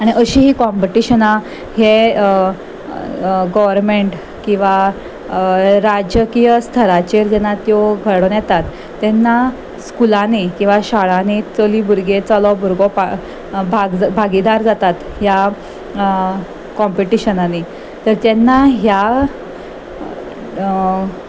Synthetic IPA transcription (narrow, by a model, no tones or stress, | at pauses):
aɽ̃iʔəɕiɦiːkɔmpiʈiɕəna | ɦe | ɡɔʋəɾmeɳʈ | kĩw̃ʋa | ɾad͡ʑəkijəst̪ʰəɾat͡ɕeɾd͡ʑɛnat̪jɔɡʱəɽɔnjɛt̪at̪ː | ɛnːa | skulanikĩw̃ʋaɕaɭanit͡solibʱuɾɡet͡sɔlɔbuɾɡɔpa | bʱaɡbʱaɡid̪aɾd͡zat̪at̪ | ɦja | kɔmpiʈiɕənani | t̪əɾt̪ɛnːaɦja